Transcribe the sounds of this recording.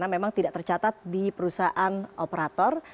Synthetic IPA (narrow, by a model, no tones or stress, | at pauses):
namemaŋt̪idaʔt̪ərt͡ʃat̪at̪̚dipəɾusaʔanʔopəɾat̪ɔr